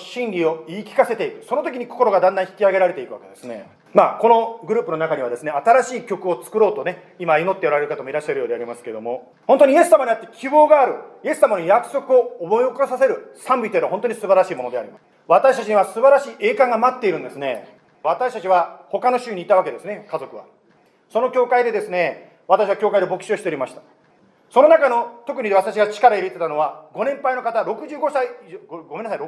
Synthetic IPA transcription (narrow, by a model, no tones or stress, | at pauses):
ɕĩnɾʲio̞iːkʲi̥kase̞t̪e̞ikɯ̟so̞no̞t̪o̞kʲiɲ̟iko̞̥ko̞ɾo̞ɡad̪ãnd̪ãçi̥kʲiaɡe̞ɾaɾe̞t̪e̞ikɯ̟βake̞d̪e̞sɨne̞̰ | maːko̞no̞ɡɯɾɯ̟ːpɯno̞nakaɲ̟iβad̪e̞sɨneat̪aɾaɕiːkʲo̞kɯ̟o̞t͡sɨ̥kɯ̟ɾo̞ːt̪o̞ne̞ | imaino̞t̪ːe̞oɾaɾe̞ɾɯ̟kat̪omo̞iɾaɕːaɾɯjo̞ːd̪eaɾʲimasɨ̥ked̪o̞mo̞ | hõnt̪oɲije̞sɨːamaɲ̟iat̪ːekʲʰibo̞ːɡaːɾɯ̟je̞sɨ̥sːamanojakɯ̟̥so̞kɯ̟o̞ːmo̞iokosase̞ɾɯ̟sãmbʲit̪enaɦont̪oɲ̟isɨbaɾaɕiːmo̞nod̪e̞a̰ɾḭma̰sɨ̥ | βat̪aɕi̥t̪at͡ɕiɲ̟iβasɨbaɾaɕiːʔe̞ːkãŋɡamat̪ːeiɾɯ̟̃nd̪e̞sɨne̞̰ | βat̪aɕi̥t̪at͡ɕiβaho̞kano̞ɕɨːɲ̟iːt̪aβake̞d̪e̞sɨne̞kazokɯ̟βa̰ | so̞no̞kʲo̞ːkaid̪e̞d̪e̞sɨne̞ | βat̪aɕ̬iβakʲo̞ːkaid̪e̞bo̞kɯ̟ɕio̞ɕit̪eɾʲimaɕi̥t̪ḁ | so̞no̞nakano̞t̪o̞kɯ̟ɲ̟id̪e̞βat̪aɕ̬iɡat͡ɕi̥kaɾaiɾet̪e̞t̪ano̞βaɡo̞nẽ̞mpainokat̪aɾo̞kɯ̟ʑɨːɡo̞saiɡomenːas̬aiɾ